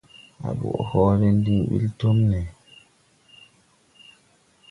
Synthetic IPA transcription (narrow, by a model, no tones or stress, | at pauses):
ʔa̰ɓṵʔɔhɔːɾɛndiɓḭltomnɛ